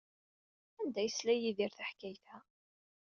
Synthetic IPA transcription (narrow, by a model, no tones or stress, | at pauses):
ænd̪æjəslæjiðiɾθaħkæjθæ